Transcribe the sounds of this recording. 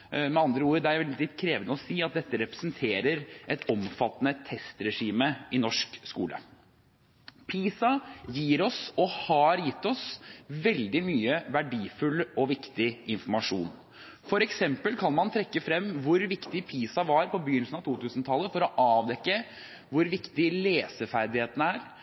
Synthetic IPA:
mɛɑnd̪ɾəuːɾəd̪ɛæɾɛlɪt̪kʰɾeːʋnəɔsiːɑt̪̚d̪ɛt̪ːəɾɛpɾəsnt̪ʰeːɾəɾʔɛt̪ɔmfɑt̪ːənət̪ʰɛst̪ɾɛʂiːməɪnɔʂkskṵːlʔə̰ | pʰiːsɑjiːɾɔsɔhɑɾjɪt̪ːɔsʋɛld̪ɪmyːəʋæɖiːfʉlːɔʋɪkt̪ɪɪnfɔɾmɑʂṵːn | fɔɾɛksɛmpəlkʰɑnmɑnt̪ʰɾɛkːəfɾɛmːʋʊɾʋɪkt̪ɪpʰiːsɑʋɑɾpʰɔbəjʏnl̩sn̩ɑʋt̪ʰuːt̪ʰʉːsnt̪ʰɑlːəfɔɾɔʔɑːʋd̪ɛkːə | ʋʊɾʋɪkt̪ɪleːsəfæɾd̪ɪheːt̪ən̩æːɾ

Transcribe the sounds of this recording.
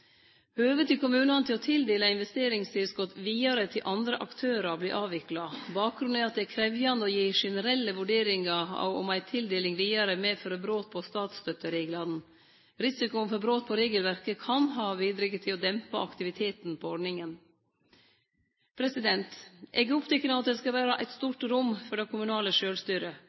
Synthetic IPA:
øːʋət̪ʰɪlkʊmʉːnɑnət̪ʰɪlɔt̪ʰɪld̪eːləɪnʋɛst̪eːɾɪŋst̪ʰɪlskɔt̪ʋiːɑɾət̪ʰɪlʔɑnd̪ɾəʔɑkt̪ʰøːɾɑbliːʔɑːʋɪklɑbɑːk̚ɡɾʉnɛɑt̪̚d̪ɛkʰɾɛʋjɑnd̪əɔjiːʂɛnəɾɛlːəʋʉɖeːɾɪŋɑɑ̰ɔ̰mæɪt̪ʰɪld̪eːlɪŋʋiːɑɾəmɛfɔɾəbɾoːt̪̚pʰɔst̪ɑːt̪st̪œt̪ːəɾeːɡlɑd̪n̩ | ɾɪsɪkʊənfɔbɾoːt̪̚pʰɔɾeːɡəlʋæɾkəkʰɑnɦɑːʋiːd̪ɾɪkət̪ʰɪlɔd̪ɛmpɑɑkt̪ɪʋɪt̪ʰeːt̪npʰɔɔɖɳɪŋən | pʰɾɛsɪd̪ɛnt̪ʔɛɡəʊpt̪ʰɛkːənəɑt̪̚d̪ɛskɑʋæːɾɑʔæɪt̪st̪uːʈɾʊmfɔɖɛkʰʊmʉnɑːləʂøːlst̪yːɾə

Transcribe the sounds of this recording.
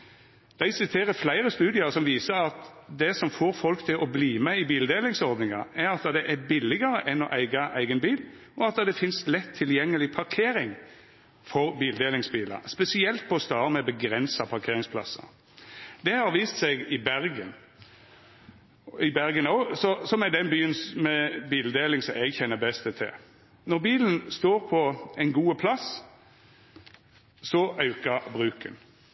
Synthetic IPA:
d̪̥æɪsɪt̪ʰeːɾəflæɪɾəst̪ʉːd̪ɪɑɾsɔmʋiːsəɾɑt̪d̪ɛsɔmfoːɾfɔlkt̪ʰɪlʔɔbliːmɛɪbiːld̪eːlɪŋsɔɾd̪nɪŋɑɾæɾɑt̪̚d̪ɑd̪ɛʔæbɪlːɪɡəɾəʔɛnɔʔæɪɡɑʔæɪɡənbiːl | ɔɑt̪̚ɑd̪ɛfɪnslɛt̪ʰːɪljɛŋːəlɪpʰɑɾkʰeːɾɪŋ | fɔɾbiːld̪eːlɪŋsbiːlɑ̰spɛsɪɛlt̪̚pʰɔːst̪ɑːʁəmɛbəɡɾɛnsɑpʰɑʁkʰeːɾɪŋspʰlɑ̰sːɑ̰ | d̪ɛhɑɾʋiːst̪sɛɪɡɪbæɾɡən | ɪbæɾɡənosɔsɔmɛd̪ɛnbyːənmɛbiːləd̪eːlɪŋsɔmɛɡçɛnːəbɛst̪ət̪ʰɪ̰l | nɔʁbiːlən̩st̪oːɾpʰɔɛɪnɡuːəpʰlɑs | sɔʔɑʉkɑbʁʉːkən

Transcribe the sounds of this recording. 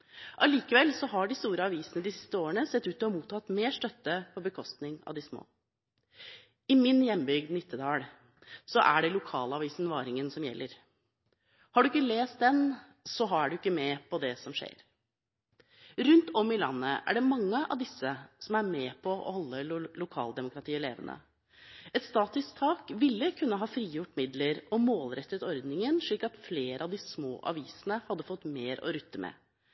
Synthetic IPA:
ʔɑliːkəʋɛlsɔɦɑɖɪst̪uːɾəɑʋiːsənəd̪ɪsɪ̥st̪əoːəɳnəsɛt̪ːʉːt̪ɔɔmuːt̪ʰːɑt̪meːʂʈ̪œt̪ːəpʰɔbəkʰɔst̪nɪŋɑ̰ʋd̪ɪsmo̰ː | ɪmɪnjɛmːbʏɡd̪nɪt̪ʰːəd̪ɑːɽ | sɔʔæɖɛlʊkʰɑ̰ːlɑʋiːsənʋɑːɾɪŋənsɔmjɛ̰lːəɾ | hɑɖʉɪk̬ːəleːst̪̚d̪ɛn | sɔɦɑɖʉɪkːəmɛpʰɔd̪ɛsɔmʂḛːɾ | ɾʉnt̪ɔmɪlɑ̰nːəʔæ̰ɖɛmɑŋːəʔɑ̰ʋd̪ɪsːəsɔmæɾmɛːpʰɔʔɔ̰hɔlːəlʊkʰɑ̰ːld̪ɛmʊkɾɑt̪ʰiːəleːʋə̰nʔə̰ | ɛt̪st̪ɑːt̪ʏskt̪ʰɑːkʋɪlːəkʰʉnːəɦɑːfɾiːjʊʈːmɪd̪ləɾɔmoːlɾɛt̪ːət̪ɔɾd̪nɪŋənʂɭiːkɑt̪fleːɾəɑʋd̪ɪsmo̰ːʔɑ̰ʋiːsənəhɑd̪ːəfɔt̪ːmeːɾɔ̰ɾʉt̪ːəmʔɛ̰

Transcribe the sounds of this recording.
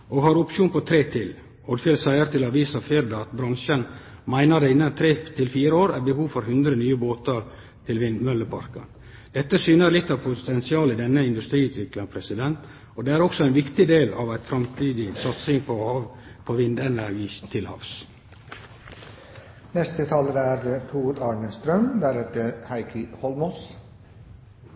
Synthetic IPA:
ʔɔɦɑɾʊpʃuːnpɔt̪ʰɾeːt̪ʰɪl | ɔd̪fɛːlsæɪəɾt̪ʰɪlɑʋiːsɑfeːɾd̪ɑɑt̪bɾɑŋʃənmæɪnəd̪ɛɪnːənt̪ʰɾeːt̪ʰɪlfiːɾəoːɾæɾbəhuːʋfɔɾɦʉnd̪ɾənyːəboːt̪əɾ | t̪ʰɪlʋɪnmœləpʰɑ̰ɾkə̰n | d̪̥ɛt̪ːəsyːnəɾlɪt̪ːɑʋpʰʊt̪ʰɛnsɪɑːlɪd̪ɛnːəɪnd̪ʉst̪ɾiːʉːt̪ʋɪkləŋpʰɾɛsɪd̪ɛnt̪ | ɔd̪eːæɾɔksɔæɪnʋɪkt̪ɪd̪eːlɑʋæɪt̪fɾɑmt̪ʰiːd̪ɪsɑt̪sɪŋpʰɔɑ | pʰɔʋɪnd̪ɛnæɾɡiːst̪ʰɪlhɑ̰ʋs | nɛst̪ət̪ʰɑːləd̪æɾt̪ʰuːɾɑːɳənst̪ɾœmd̪æɾɛt̪ːəɾhæɪkʰəhɔlmɔs

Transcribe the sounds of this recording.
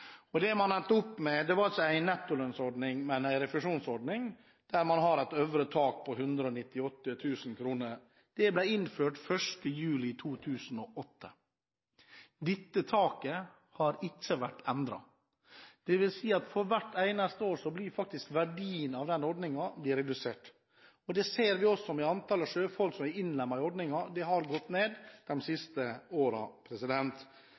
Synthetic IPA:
ɔd̪ɛmɑnɛnt̪ːəʊpːmɛd̪ɛʋɑɾɑlsəæɪnɛt̪ːʊlœnsɔɖnɪŋmɛnæɪɾɛfɾɪʂuːnsɔɖɳɪŋ | d̪̥æɾmɑnɦɑɾæt̪øʋɾət̪ʰɑːk̚pʰɔɦʉnd̪ɾəɔnɪt̪ːɪɔt̪ːət̪ʰʉːsn̩kʰɾuːnəɾ | d̪̥ɛblæɪɪnføːʈfœʂʈəjʉːlɪt̪ʰuːt̪ʰʉːsn̩ɔʔɔt̪ʰːə | d̪ɪt̪ːət̪ʰɑːkə | hɑɾɪt͡ʃːəʋæʈːɛnd̪ɾɑ̰ | d̪̥ɛʋɪlsiːɑt̪fɔɾʋæʈːæɪnɑst̪əoːɾsɔbliːɾfɑk̚t̪ɪskʋæɖiːənɑʋd̪ɛnɔɖ̪nɪŋɑblɪːɾɛd̪ʉseːʈ | ɔd̪ɛseːɾʋɪɔsːɔmɪɑnt̪ʰɑːləʂøːfɔlksɔmæɪnlɛmːɑɾɪɔɖ̪nɪŋɑd̪ɛɦɑɾɡɔt̪ːneːd̪d̪̥ɛmsɪst̪əoːɾɑ̰pʰɾɛsɪd̪ɛnt̪

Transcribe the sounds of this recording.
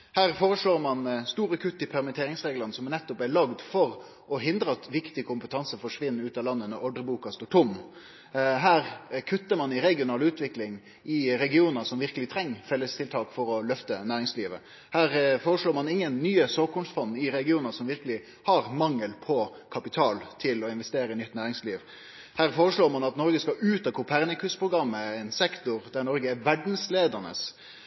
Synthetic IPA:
hæːʁfoːɾəʂɭoːɾmɑnst̪uːɾəkʰʉt̪ːɪpʰɛɾmət̪ʰeːɾɪŋsʁeːɡlɑnsɔmnɛt̪ːʊpæɭɑɡd̪fɔɾ | ɔɦɪnd̪ɾəɑt̪ʋɪkt̪ɪkʰʊmpət̪ʰɑnsəfɔʂʋɪnːʉːt̪ɑlɑnːənəʔɔɖɾəbuːkɑst̪oːʈʰʊm | ɦæːɾkʰʉt̪ːəmɑnɪɾɛɡɪʊnɑːlʉːt̪ʰʋɪklɪŋ | ɪɾɛɡɪuːnsɔmʋɪʁkəlɪt̪ʰɾɛŋːfɛlːəst̪ʰɪlt̪ʰɑːkfɔɾɔlœft̪ənæːɾɪŋsliːʋə̰ | hæːɾfoːɾəʂɭoːɾmɑnɪŋːənːyːəsoːkʊmsfɔnːɪɾɛɡɪuːnəsɔmʋɪɾkəlɪ | hɑɾmɑŋːəlpʰɔ | kʰɑpɪt̪ʰɑːlt̪ʰɪlɔɪnʋɛst̪eːɾəɪnʏt̪ːnæːɾɪŋsliːʋ | hæːɾfoːɾəʂɭoːɾmɑnɑt̪nɔɾɡəskɑʔʉːt̪ɑkʰʊpʰæʁnəkʉspʰɾʊɡɾɑmːəɛɪnsɛkt̪ʊɾd̪æɾnɔɾɡəæɾʋæɖn̩sleːd̪ənə̰s

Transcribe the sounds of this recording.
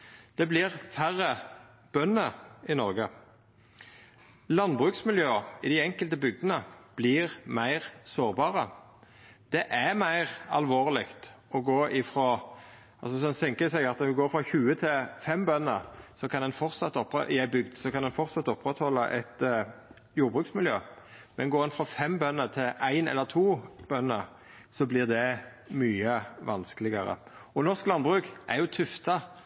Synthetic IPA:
d̪̥ɛblɪʁfæʁːə | b̥œnːəɪnɔɾɡə | lɑnbʁʉːksmɪljøːɪd̪æɪɛŋkəlt̪əbʏɡ̚d̪ənəb̥lɪʁmæɪʁsoːʁbɑːʁə | d̪̥ɛʔæmæɪʁɑ̰lʋoːʁlɪkt̪ɔɡoːɪfɾoː | ɑlsɔsd̪ɛnsɛŋkəɪsɛɡɑt̪nɛʋɪɡoːfʁɑçʉːət̪ʰɪlfɛmbœnːəɾsɔkʰɑnd̪ɛnfɔɾt̪sɑt̪ːɔpɾɛ̰ʔɪæɪbʏɡd̪sɔkʰɑnd̪ɛnfɔɾsɑt̪ːɔpːɾɛt̪hɔlːəʔæ̰ɪt̪ | juːɾbɾʉːksmɪljøːmɛnɡoːɾɛnfɾɔfɛmbœnːət̪ʰɪlʔæɪnɛ̰lːəɾt̪ʰuːb̥œnːəɾ | sɔblɪʁd̪ɛ | myːəʋɑnskəlɪɡəɾə̰ɔnɔʁsklɑnbʁʉːkʔæɾjʊt̪ʰʉft̪ɑ

